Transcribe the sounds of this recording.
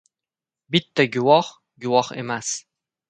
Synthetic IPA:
bit̪ːæɡʲʊwɑχ | ɡʊwɒχḛmæs

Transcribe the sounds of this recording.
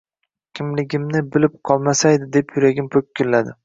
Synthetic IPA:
kʲʰɪmlɪɡʲɪmnɪbɪlɪp̚qʰɒlˠmasajd̪ɪd̪e̞pʰjʊɾaɡʲɪmpʰɵkʲʰːɪlːad̪ɪ

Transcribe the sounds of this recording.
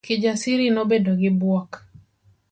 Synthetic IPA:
kɪd͡ʒasɪɾinobedoɡɪbwɔk

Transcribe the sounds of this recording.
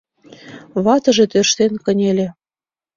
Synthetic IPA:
βɑt̪ɤ̆ʒet̪øʃt̪enkə̆nʲelʲĕ

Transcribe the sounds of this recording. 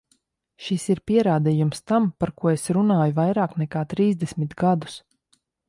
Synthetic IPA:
ʃisiɾpiɛɾaːd̪ijumst̪ampaɾkuɔesɾunaːjuvajɾaːknɛkaːt̪ɾiːzd̪ɛsmit̪ɡad̪u̥s

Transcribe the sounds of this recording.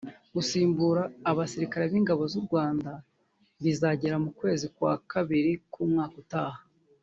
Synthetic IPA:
ɡusiːmbuɾaːβasiɾikaɾe̞βiːŋɡaβo̞zuɾɡwaːnda | βizaɟe̞ɾamukwe̞ːzikwa̰kaβiɾikumŋaːkutaːha

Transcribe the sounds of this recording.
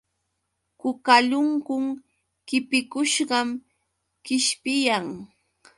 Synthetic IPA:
kʊkaʎʊŋkʊŋ | kɪpɪkʊʃɢɑm | kɪʃpɪjaŋ

